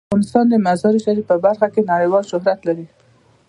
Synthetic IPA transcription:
ɑnɪst̪ɑnd̪əmazɑɾiʃaɾipəbaɾxakenaɽəjwɑlʃʊɦɾat̪laɾi

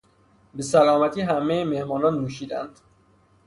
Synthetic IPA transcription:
besælɒːmæt̪ʰiːɦæmejemehmɒːnɒːnːuːʃiːd̪ænd̪̥

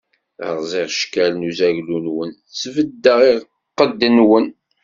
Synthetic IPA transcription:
ə̰ʁzˤiʁʃkælnuzæʝlunwən | svəd̪ːəʁi | qːəd̪ːənwən

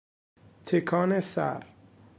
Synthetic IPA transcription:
t̪ʰekʰɒːnesæ̰ɾ

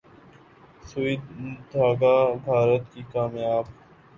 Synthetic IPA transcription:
sʊid̪d̪ʱaːɡaːbʱaːɾət̪kikaːmjaːb

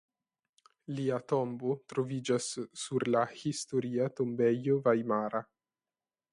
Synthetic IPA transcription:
liːat̪ɔmbot̪ɾovid͡ʒasːuɾlahist̪oɾiːat̪ombɛjovajmaːɾa

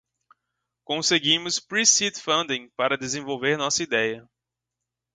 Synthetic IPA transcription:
kõseɡĩmʊspɾisit̪fɐ̃nd̪ẽpaɾɐd̪ezẽvowveɾnɔsɐid̪ɛjɐ

